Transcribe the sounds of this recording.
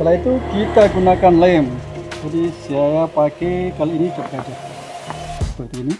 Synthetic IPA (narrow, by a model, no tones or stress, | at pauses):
kəlait̪ukit̪aɡunakanlaɛmd͡ʒadisiajapakekaloinikəpɡad͡ʒa | sə̥pərt̪iːni